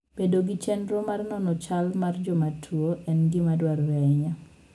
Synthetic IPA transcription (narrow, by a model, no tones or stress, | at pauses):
b̥edoɡɪt͡ʃɛndɾɔmarnɔnɔt͡ʃalmard͡ʒɔmatʰwoʔɛnɡɪmadwaɾwɛɲa